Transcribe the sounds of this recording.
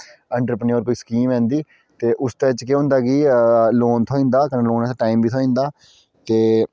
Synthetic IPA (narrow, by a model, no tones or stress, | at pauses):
ə̃ɳʈɾəpnijoːɾkoːiːskiːmɛ̃ːnd̪iː | t̪eːʔʊst̪ẽɪt͡ʃkeɦʊ̃nd̪aːɡiːloːnt̪ʰoːĩːnd̪aːkənẽːloːnɛːt̪aʈaːiːmʋiːoːĩːnd̪aː | t̪eː